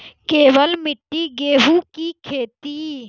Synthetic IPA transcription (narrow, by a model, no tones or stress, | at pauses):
keːʋəlmɪʈːiːɡeːɦuːkiːkʰeːt̪iː